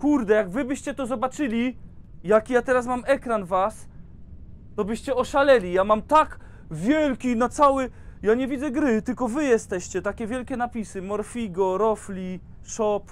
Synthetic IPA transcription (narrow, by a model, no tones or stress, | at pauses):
kuɾd̪ɛjaɡvɘbɘɕt͡ɕɛt̪ɔzɔbat͡ʂɘlʲi | jakʲjat̪ɛɾasmamɛkɾanvas | t̪ɔbɘɕt͡ɕɛɔʂalɛlʲijamamt̪ak | vʲjɛlkʲinat̪sawɘjaɲɛvʲid̪zɛɡɾɘt̪ɘlkɔvɘjɛst̪ɛɕt͡ɕɛt̪akʲɛvʲjɛlkʲɛnapʲisɘmɔɾfʲiɡɔɾɔflʲi | ʂɔp